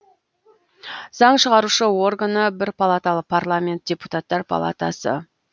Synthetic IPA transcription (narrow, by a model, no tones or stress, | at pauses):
z̥ɑɴʃəʁɑɾuʃəwo̞rɡanəbɪɾpʰalˠat̪alˠəq̚pʰarlˠamʲe̞nt̪̚d̥ʲe̞put̪at̪ːɑɾpʰa̰lˠa̰t̪a̰sə̰